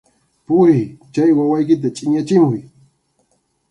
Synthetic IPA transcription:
pʊɾɪt͡ʃajwawajkɪt̪̬at͡ʃʼɪɲat͡ʃɪmʊj

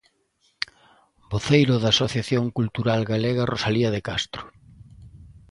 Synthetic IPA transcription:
boθejɾʊðaːsoθjaθjoŋkult̪uɾalɣaleɣɐrosaliɐðekast̪ɾʊ

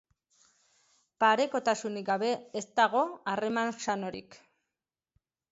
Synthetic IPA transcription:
paɾe̞ko̞t̪asuniɡaβe̞est̪aɣo̞are̞mansano̞ɾḭk

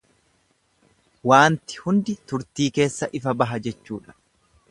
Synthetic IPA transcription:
waːnt̪ɪ̥hʊnd̪ɪt̪ʊɾt̪iːke̞ːsːɐʔɪfɐbɐɦɐd͡ʒɛt͡ʃːṵːᶑɐ̥

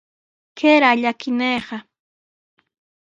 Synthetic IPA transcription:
keɾaʎakɪnejɢɑ

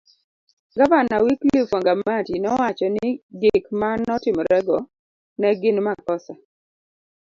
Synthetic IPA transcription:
ɡavanawiklifaŋɡamatinɔwat͡ʃɔnɪɡɪkmanɔtɪmɾɛɡɔ | nɛɡɪnmakɔsa

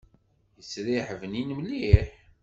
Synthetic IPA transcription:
jəsɾiħəvəninmliħ

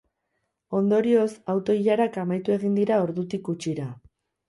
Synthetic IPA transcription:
o̞nd̪o̞ɾio̞sawt̪o̞iʎaɾakamajt̪ue̞ɣind̪iɾao̞ɾðut̪ikut͡ʃiɾa

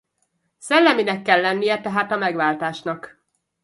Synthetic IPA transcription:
sɛlːɛminɛkːɛlːɛnːijɛt̪ɛɦaːt̪ɒmɛɡʋaːlt̪aːʃnɒk

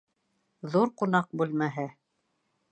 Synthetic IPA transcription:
ðuɾqunɑq̚bʉlmæɦɘ

